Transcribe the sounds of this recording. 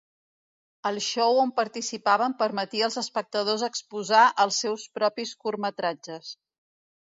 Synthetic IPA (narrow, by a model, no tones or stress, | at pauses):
əlˠʃowompəɾt̪isipaβəmpəɾmət̪iəlˠzəspək̚t̪əðozəkspuzaʔəlˠsɛwspɾɔpiskurmət̪ɾad͡ʒəs